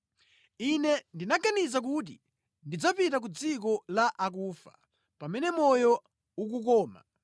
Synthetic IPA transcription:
inɛndinaɡanizak̬ut̬i | ndid͡zapitak̬ud͡zik̬ɔlaʔakuːfḁ̰ | pamɛnɛmɔjɔ | uk̬uk̬ɔːma̰

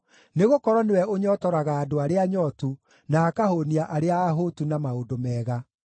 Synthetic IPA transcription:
neɣokɔɾɔnewɛoɲɔːtɔɾaɣaːdoaɾeaɲɔtu | naːkahoniaʔaɾeaːɦotunamaodomɛːɣa

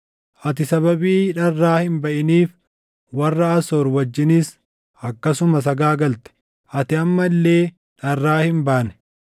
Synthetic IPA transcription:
ʔɐt̪ɪsɐbɐbiːᶑɐrːaːhɪnbɐʔɪniːf | wɐrːɐɐsoːɾwɐd͡ʒːɪniːs | ʔɐkːɐsʊmɐs̬ɐɡaːɡɐlt̪ɛ̥ | ʔɐt̪ɪɐmːɐlːeː | ᶑɐrːaːhɪmbaʔnɛ̥

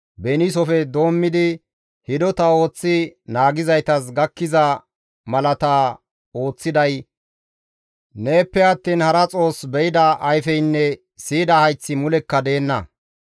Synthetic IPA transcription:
bɛnis̬ɔfɛd̪o̞ːmːɪd̪ɪ | hɪd̪ɔt̪ɐo̞ːt͡sːɪnaːɡɪzɐjt̪ɐs̬ɡɐkːɪzɐ | mɐlɐt̪a | o̞ːt͡sːɪd̪ɐj | ne̞ːpːɛɐt̪ːiːnhɐɾɐt͡sʼo̞ːsbɛʔɪd̪ɐʔɐjfɛjnːɛ | siːd̪ɐhɐjt͡sːɪmʊlɛkːɐd̪e̞ːnːɐ̰

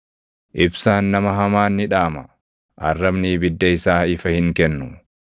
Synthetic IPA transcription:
ʔɪbsaːnːɐmɐɦɐmaːnːɪᶑaːmɐ̰ | ʔɐ̰rːɐbniːbɪd̪ːɐɪsaːɪfɐhɪŋkɛnːʊ

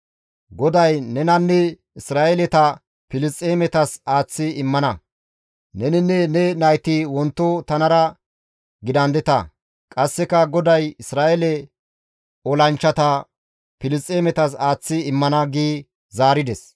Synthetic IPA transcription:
ɡɔd̪ɐjnɛnɐnːɛ | ɪsɾaːʔɛlɛt̪ɐ | pɪlɪst͡sʼːeːmɛt̪ɐsaːt͡sːɪɪmːɐnɐ | nɛnɪnːɛnɛnɐjt̪ɪwɔnt̪ːɔt̪ɐnɐɾɐ | ɡɪd̪ɐnd̪ɛt̪ɐ̰ | kʼɐsːɛkɐɡɔd̪ɐjɪsɾaːʔɛlɛ | ɔlɐnt͡ʃːɐt̪ɐ | pɪlɪst͡sʼːeːmɛt̪ɐsaːt͡sːɪɪmːɐnɐɡiː | zaːɾɪd̪ɛs

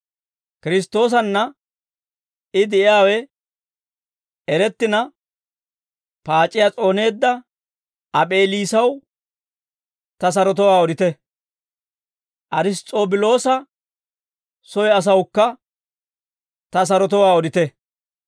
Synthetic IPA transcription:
kɪɾɪs̬t̪ːo̞ːs̬ɐnːɐ | ɪd̪ɛʔɪjaːwɛ | ɛɾɛt̪ːɪnɐ | paːt͡ʃʼːɪjat͡sʼo̞ːne̞ːd̪ːɐ | ɐpʼe̞ːliːsɐw | t̪ɐs̬ɐɾɔt̪ɔwaːɔd̪ɪt̪ɛ | ʔɐɾɪs̬t̪ʼoːbɪlo̞ːsɐ | sɔjɐs̬ɐwkːɐ | t̪ɐs̬ɐɾɔt̪ɔwaːɔd̪ɪt̪ɛ

